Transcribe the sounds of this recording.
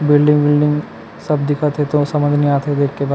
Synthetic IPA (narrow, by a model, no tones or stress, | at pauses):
bɪlɖɪ̃ŋɡbɪlɖɪ̃ŋɡ | sɐbd̪ɪkʰat̪ʰet̪osɐmə̃nd͡ʒ̪əniaːt̪ʰed̪eːkʰːebaː